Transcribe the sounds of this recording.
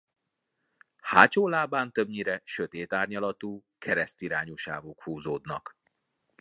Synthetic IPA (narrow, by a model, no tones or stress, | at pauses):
haːt͡ʃoːlaːbaːnt̪øbɲiɾɛʃøt̪eːt̪aːrɲɒlɒt̪uːkʰɛɾɛst̪iɾaːɲoʃa̰ːvokhuːzoːd̪nɒ̰k